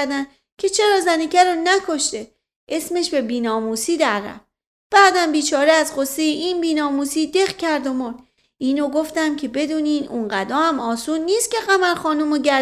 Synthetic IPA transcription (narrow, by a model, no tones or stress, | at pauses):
d̪æn | cʲʰe̞t͡ʃʰe̞ɾɒːzænecʰæɾonækʰo̞ʃt̪e̞ | ʔe̞sme̞ʃbe̞biːnɒːmuːsiːd̪æɾræ̰f | b̥æːd̪æmbiːt͡ʃʰɒːɾeæzɢosːejeʔiːnbiːnɒːmuːsiːd̪e̞ɣcʰæɾd̪omoɾd̪ | ʔiːnoɡoft̪æmcʰe̞be̞d̪uːniːnuŋɢæd̪ɒːæmɒːsuːnːiːst̪cʲʰe̞ɣæmæɾxɒːnumoɟæ